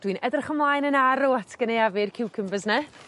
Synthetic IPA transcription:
d̥wiːnʔɛdrχəmlˠaːjnənaɾoatʰɡ̥ənejavɨrkʰɪwkʰəmvəznɛ

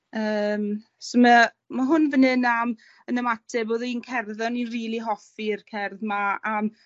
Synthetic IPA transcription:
əːm | soma | maɦʊnvənɨnam | ənəmatʰɛboːðinkʰɛrðɔniriːlˠiɦɔfirkʰɛrðmaam

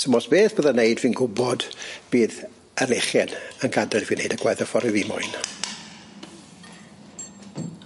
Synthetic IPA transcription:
tʰəmɔsb̥eːθb̥əːðanejdviːnɡʊbɔd̥b̥iːð | əlɪχjɛnənɡadɛlˠviːnḛjdəɡwajðəfɔɾɪviːmʊ̰ɨn

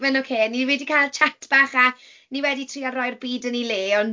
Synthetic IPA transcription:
mɛnokʰeːniwiːdikʰajlˠt͡ʃʰatʰb̥aːχa | niwɛditʰriːarɔjrbiːdənileːɔn

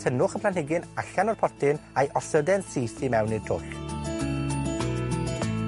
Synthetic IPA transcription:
tʰənʊχəpʰlˠanhɪɡɪnaɬanɔr̥pʰɔrtɪnajʔɔsədɛnsiːθimɛwnird̥ʰʊɬ

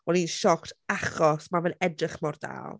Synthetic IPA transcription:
ɔninʃɔktʰaχɔsmavɛnɛdrɪχmɔrda̰ːlˠ

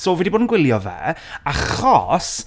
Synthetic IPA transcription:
soːvɛːdiboːdnɡwɪlˠjɔvɛ̰ːaχɔ̰s

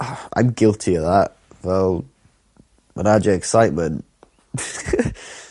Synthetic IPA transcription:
ã̰ɪ̃mɡɪlˠtʰiəvðaʔ | vɛlˠ | ə̰̃nad͡ʒəɛksaɪʔ̚mə̃nʔ

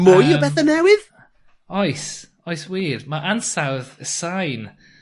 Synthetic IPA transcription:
mʊjɔbɛθanɛwɪð | ɔjs | ɔjswiːðmaʔansawðəsajn

